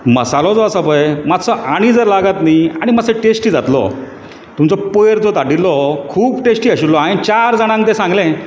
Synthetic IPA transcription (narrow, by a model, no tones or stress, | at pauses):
məsalɔd͡zɔəsəbəjmat̪sɔʔaɽ̃id͡zəɾlaɡat̪niaɽ̃imasẽʈesʈiːd͡zat̪lɔ̰ | t̪umt͡sɔpojɾd͡zɔt̪aɽilːɔkʰuːpʈesʈiːəɕilːɔaint͡ɕaɾd͡zaɽ̃ãŋkt̪ẽsãŋɡlɛ̃